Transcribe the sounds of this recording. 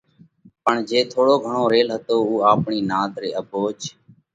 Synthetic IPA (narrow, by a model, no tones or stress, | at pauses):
pəɳd͡ʒeːt̪ʰoːɽoːɡʱəɳoːɾeːlɦət̪oːuːaːpɳiːnaːd̪ɾeːʔəboːt͡ʃ